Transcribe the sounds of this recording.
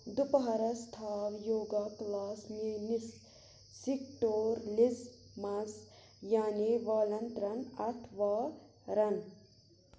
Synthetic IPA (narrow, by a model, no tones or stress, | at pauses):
d̪upɐɦɐɾɐst̪ʰaːʋjoːɡaklaːsmenisː | ik̚ʈoːɾlizmaz | jaːniʋaːlɐnt̪ɾɐnɐt̪ʰʋaː | ɾɐn